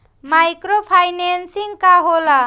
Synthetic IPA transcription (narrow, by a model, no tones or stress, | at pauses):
majkɾopʰajnensiŋkaɦola